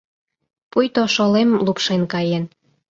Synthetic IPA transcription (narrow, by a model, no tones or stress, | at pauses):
pujt̪oʃolemlupʃenkɑjen